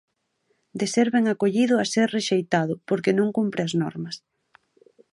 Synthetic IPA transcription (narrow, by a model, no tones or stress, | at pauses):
d̪eseɾβeŋakoʎiðʊaseɾreʃejt̪aðʊpoɾkenõŋkumpɾeɐznɔ̰ɾmɐs